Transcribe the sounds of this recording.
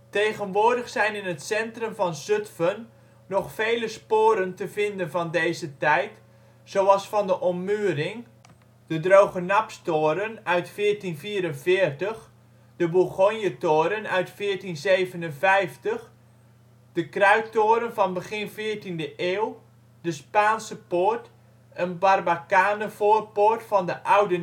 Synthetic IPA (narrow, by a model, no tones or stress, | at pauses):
tejɣənʋoːrdəχsɛjnɪnətsɛntrəmvɑnsʏtfənː | ɔχfejləspoːɾəntəvɪndənvɑndejzətɛjt | sowɑlˠsfɑndəʔɔmːyərɪŋ | d̥ədrowχənapstoːɾənœɥtfɪːrtinfiːɾənvɪːərtəχ | d̥əbuɣonjətoːɾənœɥtfɪːərtinzejvənənvɛjftəx | d̥əkrœɥk̚toːɾənvɔnbəχɪnfɪːrtindəʔeːwˠ | d̥əspaːnsəpʊrt | ənbarbakaːnəfoːrportfɔndəʔawdə